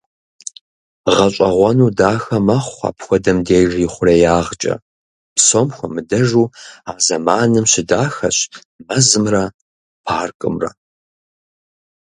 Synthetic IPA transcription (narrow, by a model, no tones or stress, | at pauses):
ʁɐɕʼɐʁʷɐnuːdaːxɐmɐχʷɑ̰ːpxʷɔdɐmdeːjʒiːχʷʊrejaːʁt͡ʃʼɐ̰ | psomxʷɔmɨdɐʒuːaːzɐmaːnɨmɕɪdaːxɐɕ | mɐzɨmrɐ | pʰaːrkʼɨmrɐ̰